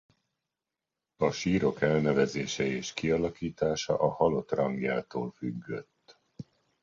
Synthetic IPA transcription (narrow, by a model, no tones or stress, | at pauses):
ɒʃiːɾo̞kɛlnɛvɛzeːʃɛeːʃkiɒlɒkiːt̪aːʃɒ̰ʔɒhɒlo̞t̪rɒŋɡjaːt̪o̰ːlfyɡːø̞̰t̪ː